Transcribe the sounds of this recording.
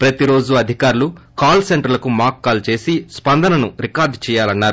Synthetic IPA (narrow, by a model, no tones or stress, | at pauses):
pɾɐt̪iɾo̞ːd͡ʒuɐd̪ʱikaːɾulukaːlseɳʈɐɾlɐkumaːkːaːlt͡ʃe̞ːsispɐnd̪ɐnɐnuɾikaːɾɖt͡ʃɛːjaːlɐnːaːɾu